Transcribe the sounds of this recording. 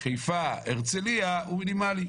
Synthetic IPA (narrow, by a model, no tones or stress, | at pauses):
χejfaeʁt͡seliauminimali